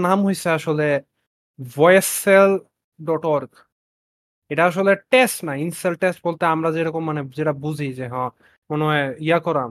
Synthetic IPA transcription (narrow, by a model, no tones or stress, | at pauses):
namɦojseaʃole | vɔjesel | ɖɔʈɔɾɡ | eʈaaʃ̬oleʈesʈnainselʈesʈ̚bolt̪eamɾad͡ʑeɾɔkomːaned͡ʑeʈabud͡ʑʱid͡ʑeɦɔ̃ | monɔjijakɔɾam